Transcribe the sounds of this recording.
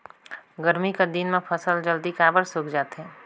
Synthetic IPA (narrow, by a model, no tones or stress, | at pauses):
ɡəɾmikad̪inmẽpʰəsəld͡ʒəld̪ikaːbəɾsʊkʰd͡ʒaːt̪ɦɛ̃ː